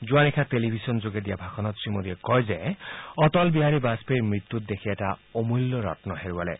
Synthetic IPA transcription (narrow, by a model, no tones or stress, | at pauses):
zuanikʰatelibʱisɔnzoɡed̪ijabʱaxʰɔnɔt̪sɹimodiɛkɔjzɛɔt̪ɔlbiɦaɹibaspejmɹit̪ːut̚d̪ekʰiɛtaomulːɔɹa̰tnɔɦeɹualɛ̰